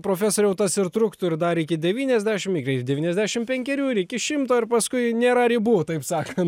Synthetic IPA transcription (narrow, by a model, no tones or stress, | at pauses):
pɾoːfʲæːsoːɾʲjɛʊt̪ɐsɪrt̪ɾʊkt̪ʊɪɾd̪ɐɾɪkʲɪdʲɛʋʲiːnʲɛzʲd̪ʲæːʃʲɪmikrʲɛɪd̪ʲɛʋʲiːnʲɛzʲd̪ʲæːʃʲɪmpʲɛŋʲkʲɛɾʲuːɪɾɪkʲɪʃʲɪmt̪oːɪɾpɐskʊɪnʲeːɾɐɾʲibuːt̪ɐɪpsɑːkɐnt̪